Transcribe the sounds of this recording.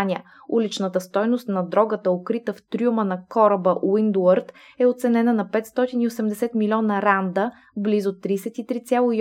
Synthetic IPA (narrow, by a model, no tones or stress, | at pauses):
nʲiə | ulit͡ʃnət̪əst̪ɔjnost̪nɐd̪ɾɔɡət̪əokɾit̪əft̪ɾʲumənɐkɔɾəbəʔwind̪uəɾt̪ | ɛot̪sɛnɛnənɐpɛt̪st̪ɔt̪iniosɛmd̪ɛsɛt̪milʲɔnəɾand̪ə | blizot̪ːɾiːsɛt̪it̪ɾit̪sʲjalˠʊi